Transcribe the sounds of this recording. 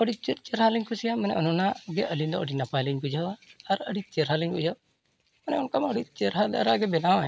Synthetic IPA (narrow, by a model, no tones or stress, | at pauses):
əɽit͡ʃut̪̚t͡ʃɛɾɦaliɲkʰusijamanɛ̰ʔɔnɔnaʔɡɛʔəlind̪ɔʔəɖinapajliɲkud͡ʒawaaɾəɽit͡ʃɛɾɦaliɲkud͡ʒaw | manɛɔnkaməɽit̪̚t͡ʃɛɾɦad̪a̰ɾaʔɡɛbɛnawa